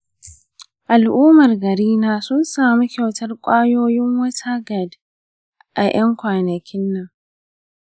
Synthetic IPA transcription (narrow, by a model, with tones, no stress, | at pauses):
ʔa˨lʔuː˦mɐ˨rɡɐ˨ɾiː˦naː˦sʊ˦nsaː˨mi˦kʲa˨wtɐ˦rkʷʼaː˦joː˦jɪ˦ŋwɐ˦tʰa˦ɡɐ˨d | ʔa˨j̰ɐ˦ŋkʷaː˨nɐ˨kʲʰɪ˦nːɐ˦˨ŋ